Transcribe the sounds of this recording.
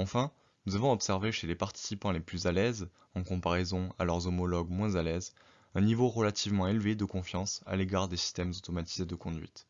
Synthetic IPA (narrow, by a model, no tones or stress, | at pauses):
ɑ̃fɛ̃ | nuzavɔ̃ɔpsɛʁveʃelepaʁt̪i̥sipɑ̃leplyzalɛz | ɑ̃kɔ̃paʁezɔ̃a̰lœʁzɔmɔlɔɡmwɛ̃zalɛz | ɛ̃nivoʁəlat̪ʰivmɑ̃elved̪əkɔ̃fjɑ̃sa̰leɡaʁd̪esi̥st̪ɛmzot̪ɔmat̪ized̪əkɔ̃d̪ɥḭt̪